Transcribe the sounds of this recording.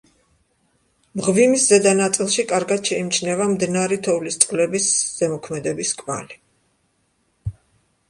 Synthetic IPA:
mʁvimiszɛd̪anat̪sʼilˠʃikʼaɾɡad̪̥ʃɛimt͡ʃʰnɛvamd̪naɾit̪ʰɔvlist̪sʼqʼlɛbisz̥ɛmɔkʰmɛd̪ɛbiskʼma̰li

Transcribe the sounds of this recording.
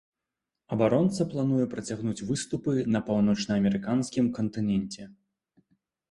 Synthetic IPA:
ɐbaɾɔnt̪sɐplˠan̪ujɛpɾɐt͡sʲaɣnut͡sʲvɨst̪upɨnɐpawn̪ɔt͡ʂnɐːmʲɛɾɨkanskʲimkɐnt̪ɨnʲɛnʲt͡sʲɛ

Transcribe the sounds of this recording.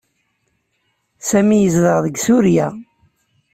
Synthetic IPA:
sæmijəzðəʁðəɡsuɾjæ

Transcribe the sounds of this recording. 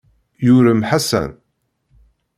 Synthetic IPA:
jʊɾəmħasæ̰n

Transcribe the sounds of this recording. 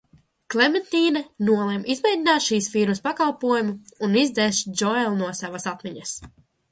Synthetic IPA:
klʲˠɛmɛnt̪iːnɛnuɔlˠɛmʔizmɛjd̪ʲinaːt̪ʃiːsfiɾmɐspakalˠpuɔjumuunizd̪ɛsd͡ʒɔɛlˠnuɔsavasat̪miɲɐs

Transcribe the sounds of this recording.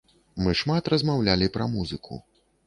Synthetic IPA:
mɨʂmat̪rɐzmawlʲalʲipɾɐmuzɨkʰṵ

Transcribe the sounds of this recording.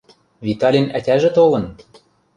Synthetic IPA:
vit̪ɑlʲinætʲæʒĕt̪olɤ̆n

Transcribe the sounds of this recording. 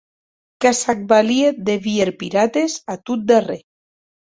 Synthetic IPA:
kasak̚balieðeβieɾpiɾat̪esat̪ut̪̚d̪are

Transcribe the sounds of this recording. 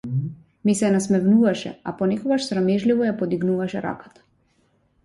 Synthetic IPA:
misɛnasmɛvnuvaʃɛ̰apɔnɛkɔɡaʃsɾamɛʒlivɔjapɔd̪iɡnuvaʃɛɾa̰kḁt̪ḁ

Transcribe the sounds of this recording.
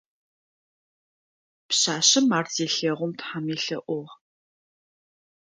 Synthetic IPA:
pɕaːɕɪmaːrzeːɬeːʁʷʊmtħamiːɬɐ̰ʔʷʊʁ

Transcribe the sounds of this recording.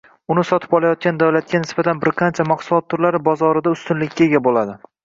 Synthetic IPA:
ʊnɪsɒt̪ʰɪ̥pɒlˠajɒt̪̚kʲand̪awlat̪̚kʲanɪsbat̪ʰanbɪɾqʰɑnt͡ʃʰamɑqsʊlˠɒt̪ʰːʊɾlaɾɪbɒzɒɾɪd̪aʊst̪ʊnlɪkʲːaeɡʲabolad̪ɪ

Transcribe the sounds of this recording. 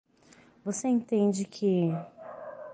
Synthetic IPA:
voseẽt̪ẽnd͡ʒɪkʰɪ

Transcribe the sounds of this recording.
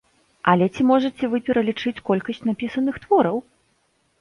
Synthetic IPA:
ʔɐlʲɛt͡sʲimɔʐɐt͡sʲɛvɨpʲɛɾɐlʲit͡ʂɨt͡sʲkɔlʲkɐsʲt͡sʲnapʲisɐnɨxt̪vɔɾɐw

